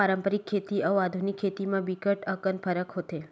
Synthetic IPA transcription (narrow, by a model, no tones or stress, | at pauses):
aɾəmpəɾikʰːet̪iəʋad̪ʱunikʰːet̪imãbikəʈəkənpʰəɾəkɦot̪e